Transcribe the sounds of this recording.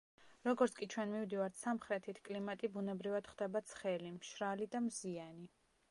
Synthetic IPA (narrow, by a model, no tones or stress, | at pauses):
ɾɔɡɔɾt̪sʰkʼit͡ʃʰwɛnmivd̪ivaɾt̪ʰsamχɾɛt̪ʰit̪ʰkʼlimat̪ʼibunɛbɾivad̪̥χd̪ɛbat̪sʰχɛlimʃɾalid̪amziani